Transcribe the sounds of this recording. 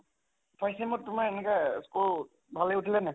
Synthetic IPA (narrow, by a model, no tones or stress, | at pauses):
tʰajsɛmɔttːʊmaɹɛnɛkaskul | bʱalɛutʰilɛnɛ